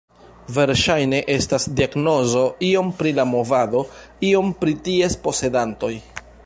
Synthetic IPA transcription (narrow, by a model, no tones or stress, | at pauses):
ve̞ɾʃajne̞ʔe̞stasdiaɡno̞zo̞io̞mpɾilamo̞vado̞ | io̞mpɾitie̞spo̞se̞danto̞j